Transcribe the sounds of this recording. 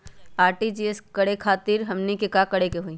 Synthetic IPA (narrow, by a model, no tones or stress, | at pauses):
aːɾʈid͡ʒieskɐɽekʰaːt̪ɪɾɦɐmnikekakɐɽekeɦuiː